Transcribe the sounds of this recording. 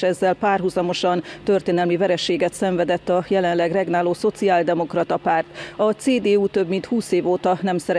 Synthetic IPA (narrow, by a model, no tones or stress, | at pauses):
ɛzːɛlpaːrɦuzɒmo̞ʃɒnt̪ørt̪eːnɛlmivɛɾɛʃeːɡɛt̪sɛɱvɛd̪ɛt̪ːɒjɛlɛnlɛɡrɛɡnaːloːso̞t̪siaːld̪ɛmo̞krɒt̪ɒpaːrt̪ɒseːd̪eːuːt̪ø̞bmint̪huːseːvoːt̪ɒnɛmsɛɾɛ